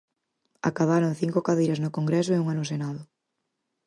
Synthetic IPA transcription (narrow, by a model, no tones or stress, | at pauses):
a̰kaβ̞aɾoŋθiŋkokaðejɾaznʊkoŋɡɾɛsʊeuŋanosenaðʊ